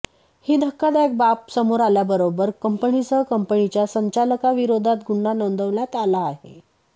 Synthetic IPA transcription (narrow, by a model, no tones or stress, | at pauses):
hiːd̪ʱəkːad̪ek̚bapsəmoɾaljabəɾobəɾkəmpənit͡səkəmpənit͡ɕjasəɲt͡ɕaləkaʋiɾod̪ʱat̪ɡʱuɳːanond̪ʱəʋljat̪alaːɦḛ